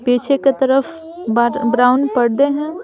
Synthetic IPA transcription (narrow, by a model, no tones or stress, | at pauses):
beːt͡ʃʰeket̪ɐɾəf | bɾaːʊnpɐɽd̪eɦɛ̃ː